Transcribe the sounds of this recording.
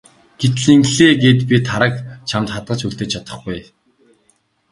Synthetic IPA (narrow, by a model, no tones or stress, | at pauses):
ɡ̥et̪̆ɮiŋkɮeːɡeːt̪pʲit̪ʰaɾə̆kt͡ɕʰamt̪χat̪̚ɢə̆t͡ɕuɮt̪eːt͡ɕʰat̪ə̆χɡuj